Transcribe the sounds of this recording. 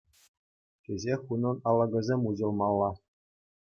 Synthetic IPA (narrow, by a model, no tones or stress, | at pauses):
tʲezʲexunɤ̆nɑlˠːɑɡʲɤ̆zʲemʲuʑɤ̆lˠmɑlˠːɑ